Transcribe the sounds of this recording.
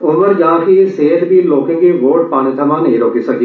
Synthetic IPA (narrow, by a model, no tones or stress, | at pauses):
ʊnʋəɾd͡ʒãːkiseːət̪bʱiloːkɪ̃ŋɡiʋoːɾɖpaːñet̪ʰɐmãnɐɦĩɾoːkisɐɡi